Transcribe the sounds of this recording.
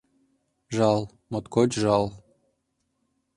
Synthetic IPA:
ʒɑlˠ | mot̪kot͡ɕʒɑlˠ

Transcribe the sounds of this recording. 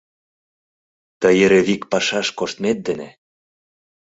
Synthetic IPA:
t̪əjeɾĕβikpɑʃɑʃkoʃt̪met̪̚d̪ĕnḛ

